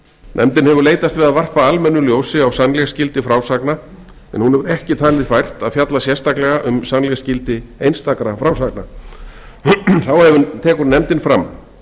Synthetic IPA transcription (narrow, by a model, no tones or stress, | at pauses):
nʔɛ̰mt̪ɪnhɛvʏɾleːjt̪ast̪vɪðaðvar̥paalmɛnːʏljoːwsɪawsanːlɛɣscɪlt̪ɪfɾaːwsakna | ɛ̰nhunɛvʏɾɛhcɪt̪ʰaːlvɪfajr̥t̪aðfjat̪lasjɛrst̪aklɛɣaʔʏmsanlɛɣscɪlt̪ɪejnst̪akɾafɾawsakna | θawhɛvʏt̪ʰɛːkʏɾnɛmt̪ɪnfɾamː